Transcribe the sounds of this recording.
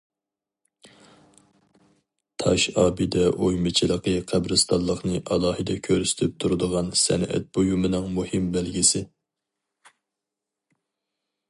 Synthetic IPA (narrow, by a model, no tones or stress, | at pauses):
t̪ʰɑ̰ʃɑːbɨd̪ɛʔojmɨt͡ʃʰilˠəqəqʰæbɾɨst̪ʰɑnlˠːəχnɨʔɑlˠɑːhɨd̪ɛkʲʰøɾsɪ̥t̪ʰɪp̚t̪ʰuɾɨd̪əʁɑnsɛ̰nɛ̰t̪̚bojumɨnɨŋmuhɪmbælɡʲisɪ